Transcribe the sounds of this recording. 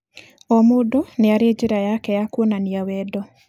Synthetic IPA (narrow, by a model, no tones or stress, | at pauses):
ɔmodoneaɾed͡ʒɪɾajakɛjakwonaniawɛdɔ